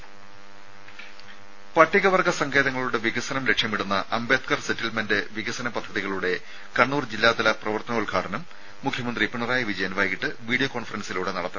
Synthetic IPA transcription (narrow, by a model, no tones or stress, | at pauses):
pɐʈːiɣɐʋɐrɡɐsɐŋɡʰe̞ːðɐŋːɐɭuɽe̞ʋiɣɐsɐnɐmle̞kʂjɐmiɽunːɐʔɐmbe̞ːt̪̚kɐrsitːilmendɨʋiɣɐsɐnɐpɐd̪ʱːɐðiɣɐɭuɽe̞ | kɐɳːuːrd͡ʑilːaːd̪ɐlɐprɐʋɐrt̪ɐnɐulɡʰʱaːʈʰɐnɐmː | ukʰjɐmɐnd̪ripiɳɐraːjɐʋid͡ʑɐjɐnʋaːjkiʈːɨʋiːɽijokoːɳfɐrɐnsiluːɽe̞nɐɽɐt̪ːɐ